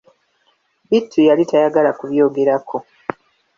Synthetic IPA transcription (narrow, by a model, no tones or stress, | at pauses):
bitʰːujalitajaɡalakuβjo̞ːɡe̞ɾakʰo̞